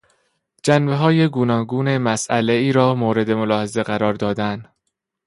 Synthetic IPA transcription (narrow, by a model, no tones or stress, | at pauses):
d͡ʒænbe̞ɦɒːje̞ɡuːnɒːɡuːne̞mæsæle̞iːɾɒːmoːɾe̞d̪e̞mo̞lɒːhe̞ze̞ɣæɾɒːɾd̪ɒːd̪æn